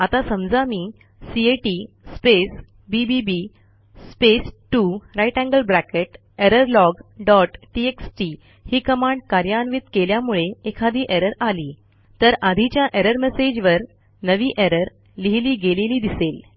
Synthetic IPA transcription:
at̪asəmd͡zamiː | sieʈi | spes | bibibi | spesʈuɾajʈæ̃ŋɡəlbɾækeʈ | eɾəɾlɔɡɖɔʈʈieksʈi | hiːkəmaɳɖ̚kaɾjanʋiːt̪keljamuɭeekʰad̪iːʔeɾəɾaliː | t̪əɾad̪ʱit͡ɕjaʔeɾəɾmesed͡ʑʋəɾ | nəʋiːʔeɾəɾ | liɦiliːɡeleliːd̪isel

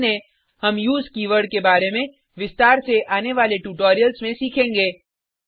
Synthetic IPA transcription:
nẽ | hɐmjuːzkiːʋəɾɖkebaːɾemẽ | ʋɪst̪aːɾseʔaːneʋaːleʈuːʈɔːɾijəlsmẽsiːkʰẽːŋɡeː

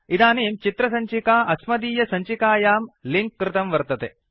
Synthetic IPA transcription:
id̪aːneːmt͡ʃit̪ɾɐsɐɲt͡ʃikaːʔɐsmɐd̪iːjɐsɐɲt͡ʃikaːjaːmliŋkːɾɪt̪ɐmʋɐɾt̪ɐt̪e

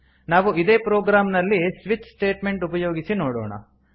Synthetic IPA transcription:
naːʋuid̪eːpɾoːɡɾaːmnɐlːisʋit͡ʃsʈeːʈme̞ɳʈupɐjo̞ːɡisinoːɽoːɳɐ̰

